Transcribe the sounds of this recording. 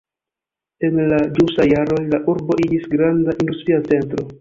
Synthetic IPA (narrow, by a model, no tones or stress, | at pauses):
e̞nlad͡ʒusajaɾo̞jlaʔuɾbo̞ʔid͡ʒisɡɾandaʔindustɾiat͡se̞ntɾo̞